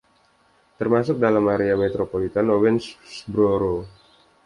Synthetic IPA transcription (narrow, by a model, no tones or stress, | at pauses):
t̪ərmasʊk̚dalamaɾeamet̪ɾopolit̪anowɛnssbɾoɾo